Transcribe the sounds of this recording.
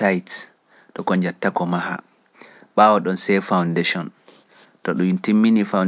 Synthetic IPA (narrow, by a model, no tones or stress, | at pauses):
ajt | tɔkɔɲd͡ʒatːakɔmaɦa̰ | ɓaːwɔɗɔnsɛjfawndeʃɔn | tɔɗuintimːinifawn